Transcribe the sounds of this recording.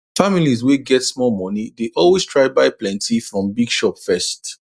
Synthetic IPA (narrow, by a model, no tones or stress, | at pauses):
familizweɡɛtsmɔmɔnideʔɔlwez̥tʰɹaɪbaɪplɛ̃ntʰifɹɔ̃mbiɡʃɔpfɛst